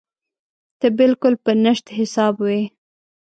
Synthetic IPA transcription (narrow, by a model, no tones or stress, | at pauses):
t̪əbɪlkʊlpənəʃt̪ɦɪsɑbwe